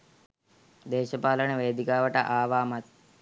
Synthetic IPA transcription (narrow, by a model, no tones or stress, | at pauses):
d̪eːʃəpaːləɳəʋeːd̪ikaːʋəʈəʔaːʋaːmat̪̚